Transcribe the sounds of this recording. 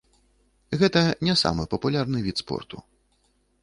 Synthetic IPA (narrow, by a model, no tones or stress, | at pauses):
ɣɛt̪ɐnʲɛsa̰mɨpɐpulʲarnɨvʲit̪spɔ̰rt̪u